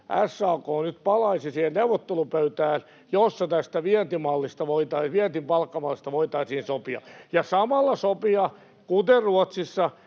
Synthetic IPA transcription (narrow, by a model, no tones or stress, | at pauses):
ʔæsːɑːkoːnyt̪pɑlɑisisiːhelneuwʋot̪ːelupøyt̪æːl | josːɑt̪æst̪æʋiɛnt̪imɑlːist̪ɑʋoit̪ɑiʋiɛnt̪impɑlkːɑmɑlːist̪ɑʋoit̪ɑisiːnsopiɑ̰jɑsɑmɑlːɑsopiɑ | kut̪erruot̪sisːɑ